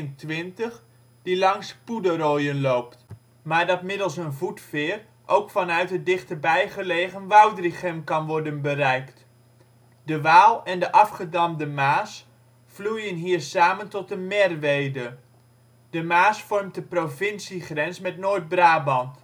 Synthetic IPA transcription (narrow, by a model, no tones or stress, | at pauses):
əntʋɪntəχ | d̥ilɑŋspudərojənlowpt | maːɹdɑtmɪdəlˠsənvutfɪːr | ʔowkfɑnœɥtɦət̚dɪχtəbɛjχəleːχənʋawdriχəmkɑnʋɔɹdənbərɛjkt | dəʋaːlˠɛndəʔɑfχədɑmdəmaːs | flujənɦiːɹsaːməntɔt̚dəmɛrʋejdə | d̥əmaːsfɔrmtəprovɪnsiχrɛnsmɛtnoːjd̚braːbɑnt